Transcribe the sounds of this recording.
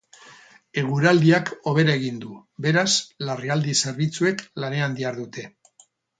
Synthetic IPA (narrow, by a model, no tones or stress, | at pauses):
e̞ɣuɾald̪iakʰo̞β̞e̞ɾae̞ɣ̞ind̪ube̞ɾaslariald̪ise̞ɾβit͡sue̞klane̞and̪iaɾðut̪e̞